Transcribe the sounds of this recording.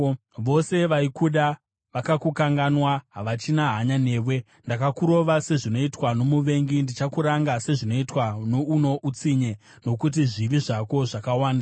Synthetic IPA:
ʋo̞se̞ʋaikuɗa | ʋakakukaŋɡanwaɦaʋat͡ʃinaɦaɲane̞ːwe̞ | ndakakuɾo̞ʋase̞ʐino̞itwano̞muʋe̞ŋɡindit͡ʃakuɾaŋɡase̞ʐino̞itwano̞uno̞ʔut͡siɲe | no̞kut̬iʐiʋiʐako̞ʐakawaːnda

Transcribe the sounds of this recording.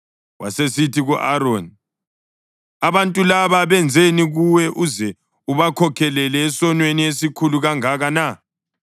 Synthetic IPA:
wʔa̰sesitʰiɣuʔaɾoːni | aβantʼulaβaβɛnd͡zʱeniɣuwɛʔuzɛ | uβakʰɔkʰɛlɛlɛːsɔnweniesikʰuluɣaŋaɣana

